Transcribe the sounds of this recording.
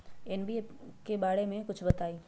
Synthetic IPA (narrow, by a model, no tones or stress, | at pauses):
ɪnbi | kebaːɽemẽkʊt͡ʃʰbɐt̪aːiː